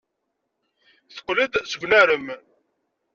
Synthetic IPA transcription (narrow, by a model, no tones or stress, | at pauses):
θə̥qːləd̪səɡʷnæɾəm